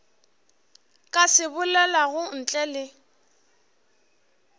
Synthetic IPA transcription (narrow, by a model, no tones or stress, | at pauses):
kʼasɪbʊlɛlaɣʊn̩t͡ɬʼɛlɪ